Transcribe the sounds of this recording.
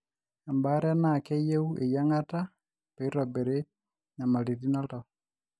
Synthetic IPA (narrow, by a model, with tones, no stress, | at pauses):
a˨mba˦ɾa˦na˨kɛ˦je˦u˦ʔe˨ja˦ŋa˦ta˦ | pe˨i˦ɾa˨be˨ɾe˦ | na˨ma˨ɾi˨ði˦na˦ta˨